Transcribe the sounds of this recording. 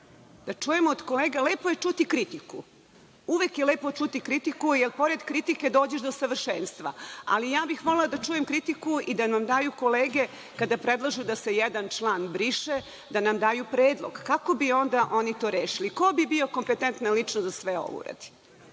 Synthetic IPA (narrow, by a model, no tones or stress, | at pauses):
d̪̥at͡ʂujemoːd̪ko̞leːɡaleːpoje̞t͡ʂut̪ikɾit̪iku | uʋekjeleːpot͡ʃut̪ikɾit̪ikujelpo̞ɾe̞d̪kɾit̪ike̞d̪o̞ːd͡ʑeʃd̪osaʋr̩ʃeːnst̪ʋa̰a̰lijaːbixmo̞lelad̪at͡ʂujemkɾit̪ikuid̪anamd̪aːjuko̞leːɡe | kad̪apɾed̪lˠaʒud̪ase̞jɛd̪ant͡ʃlˠaːnbɾiʃe | d̪anamd̪aːjupɾeːd̪lˠo̰ɡkakobio̞nd̪aʔo̞nit̪o̞ːɾeːʃiliko̞bibio̞ko̞mpet̪ent̪nalit͡ʂnozasʋeo̰ʋ̰ṵɾa̰d̪̥i̥